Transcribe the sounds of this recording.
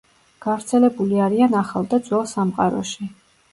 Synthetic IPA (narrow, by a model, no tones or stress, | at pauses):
ɡ̥avɾt̪sʰɛlɛbuliaɾianaχalˠd̪ad̪zwɛlˠsamqʼa̰ɾɔ̰ʃi